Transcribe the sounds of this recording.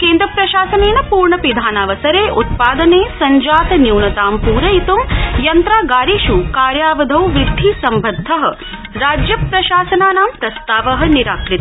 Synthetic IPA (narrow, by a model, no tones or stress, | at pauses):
keːnd̪ɾɐpɾɐʃaːsɐneːnɐpuːɾɳɐpid̪ʱaːnaːʋɐsɐɾeːʔut̪̚paːd̪ɐneːsɐɲd͡ʒaːt̪ɐnjuwnɐt̪aːmpuːɾɐit̪umjɐnt̪ɾaːɡaːɾiːʃukaːɾjaːʋɐd̪ʱɐwʋɾɪd̪ʱːisɐmbʱɐd̪ʱːɐɦɐ̆ | ɾaːd͡ʒjɐpɾɐʃaːsɐnaːnaːmpɾɐst̪aːʋɐɦɐ̆niɾaːkɾit̪